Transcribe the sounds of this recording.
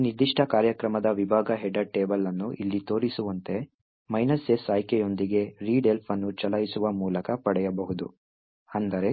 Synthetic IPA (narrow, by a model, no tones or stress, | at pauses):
nid̪iʂʈʰɐkaːɾjɐkɾɐmɐd̪ɐʋibʱaːɡɐɦɛɖɐʈeːbɐlːɐnːuʔilːit̪o̞ːɾisuʋɐnt̪e̞ | mɐjnɐsesaːjkɛjo̞nd̪iɡe̞ɾiːɖe̞lpʰɐnːut͡ʃɐlɐjisuʋɐmuːlɐkɐpɐɽɛjɐbɐɦud̪u | ɐnd̪ɐɾe̞